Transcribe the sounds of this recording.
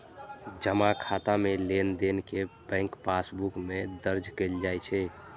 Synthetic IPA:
d͡ʒəmakʰat̪amelend̪enkebɛ̃ŋkpasbukmed̪əɾd͡ʒkeld͡ʒajt͡ʃʰɛ

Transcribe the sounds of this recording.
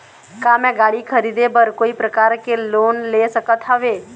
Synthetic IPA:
kamɛ̃ɡaɭikʰəɾid̪ebəɾkoːipɾəkaɾkeloːnlesəkət̪ʰaʋe

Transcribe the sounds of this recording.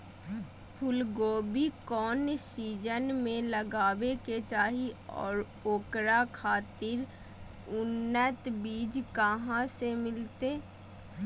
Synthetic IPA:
pʰʊlɡoːbikɔːnsiːd͡ʒənmẽləɡaːʋeket͡ʃaːɦiɔ̰ːɾ | oːkɾakʰaːt̪ɪɾ | ʊnːət̪biːd͡ʒkəɦãsemɪlt̪eː

